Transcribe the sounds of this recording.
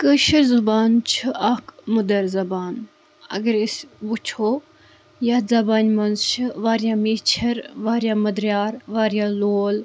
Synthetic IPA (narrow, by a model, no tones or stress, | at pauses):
kəʃɨɾzubaːnt͡ʃʰɨʔɐkmud̪ɐɾzɐbaːn | ɐ̰ɡɐɾisʲʋut͡ʃʰoː | jaːzɐbaːnʲmɐnzt͡ʃʰɨʋaːɾjaːmiːt͡ʃʰɐɾʋaːɾjaːmɐd̪ɾjaːɾʋaːɾjaːloːl